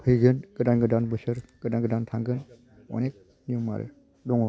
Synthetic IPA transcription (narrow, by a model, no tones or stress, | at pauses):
pʰɯjɡɯnɡ̥ɯdanɡɯdanbɯsɯɾɡ̥ɯdaŋɡɯdantʰaŋɡɯn | ɔ̰nek̚ | niuŋma̰ɾɯ̰ | dɔŋɔ